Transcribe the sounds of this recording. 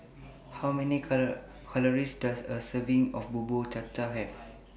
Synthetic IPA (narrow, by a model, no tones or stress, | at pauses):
hawmɛni | kʰaləɹisdasəsəvĩŋɔfbubot͡ʃat͡ʃaɦɛv